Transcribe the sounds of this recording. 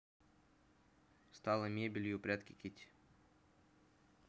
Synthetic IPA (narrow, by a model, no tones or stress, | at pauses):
st̪ɑlˠəmʲebʲɪlʲjʊpɾʲat̪kʲɪkʲit̪ʲ